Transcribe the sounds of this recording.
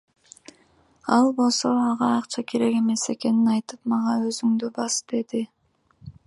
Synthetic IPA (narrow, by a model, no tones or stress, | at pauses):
ɑlˠbo̞lˠso̞ɑʁɑɑqt͡ʃʰɑkʰe̞ɾe̞ke̞me̞se̞ke̞ninɑjt̪ɯp̚mɑʁɑø̞zyŋd̪ybɑsd̪̥e̞d̪i